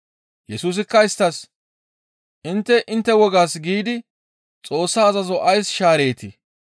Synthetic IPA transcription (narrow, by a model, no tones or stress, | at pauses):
jɛsuːs̬ɪkːɐɪst̪ːɐs | ʔɪnt̪ːɛʔɪnt̪ːɛwɔɡaːsɡiːd̪ɪ | t͡sʼo̞ːsːaːzɐzɔʔɐjsʃaːɾe̞ːt̪ɪ